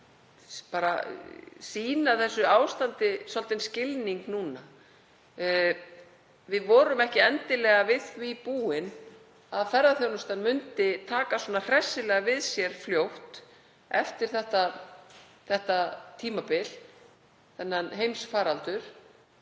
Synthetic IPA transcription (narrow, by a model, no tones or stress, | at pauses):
paːɾa̰ | siːnaθɛsːʏaːwst̪ant̪ɪsɔlt̪ɪnscɪlniŋknuːna | vɪðvɔːɾʏmɛhcɪɛnt̪ɪlɛːɣavɪðvipuːɪn | aðfɛɾðaθjownʏst̪anmʏnt̪ɪt̪ʰaːkaswɔnar̥ɛsːɪlɛɣavɪðsjɛɾ̥fljowht̪ | ɛft̪ɪɾ̥θɛht̪a | θɛht̪at̪ʰiːmapɪl | θɛnːanɦejmsfaːɾalt̪ʏɾ̥